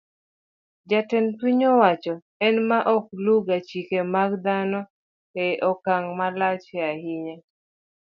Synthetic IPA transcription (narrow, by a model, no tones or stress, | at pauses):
d͡ʒatɛntwiɲɔwat͡ʃɔ | ɛnmaʔɔk̚luɡat͡ʃikemaɡd̪anɔ | ɛʔɔkaŋmalat͡ʃɛahiɲɛ